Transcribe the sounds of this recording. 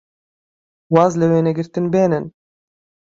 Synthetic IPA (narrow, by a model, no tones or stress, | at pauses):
wɑːzlɛweːnɛɡʲɪɾt̪inbeːnɪn